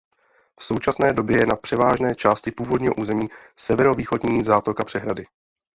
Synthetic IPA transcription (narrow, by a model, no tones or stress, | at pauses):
fso̞wt͡ʃasnɛːdo̞bjɛjɛnapr̝̥ɛvaːʒnɛːt͡ʃaːscɪpuːvo̞dɲiːɦo̞ʔuːzɛmiː | sɛvɛɾo̞viːxo̞dɲiːzaːt̪o̞kapr̝̥ɛɦɾadɪ